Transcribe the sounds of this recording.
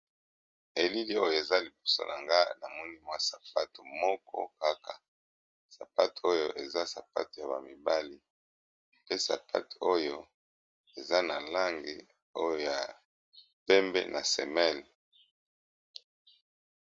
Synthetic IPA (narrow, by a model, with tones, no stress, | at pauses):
e˨li˦li˦o˦jo˨e˨za˦li˨bo˦so̰˦˨nʔa˨ŋɡa˦na˨mɔ˦ni˦mwa˦sa˨pa˦to˨mɔ˦kʰɔ̰˦ka˦ka˨ | sa˨pa˦to̥˨o˦jo˨ʔe˨za˦sa˨pa̰˦to˨ja˨βa˨mi˨ba˦li˦ | pe˦sa̰˨pʰa̰˦to̥˨o˦jo˦ | e˨za˦na˨la˦ŋɡi˨ | o˦jo˨ja˨ | pɛ˦mbḛ˦nʔa˨sɛ˨mɛ˦˨l